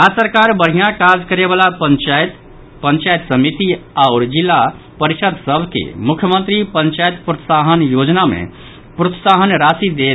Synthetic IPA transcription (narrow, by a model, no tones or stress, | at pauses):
asəɾkaɾbəɽ̤ijãkad͡ʒkəɾebalapət͡ʃt̪ | pə̃nt͡ʃajt̪səmit̪iaʊɾd͡ʒilːa | pəɾisəd̪ʱsəbʱkḛmukʰjəmə̃nt̪ɾipəɲt͡ʃajt̪pɾot̪saɦənjod͡ʒnamḛ̃ | pɾot̪saɦənɾasid̪e